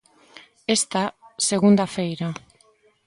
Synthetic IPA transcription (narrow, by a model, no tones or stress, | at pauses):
e̞st̪ase̞ɣund̪afe̞jɾa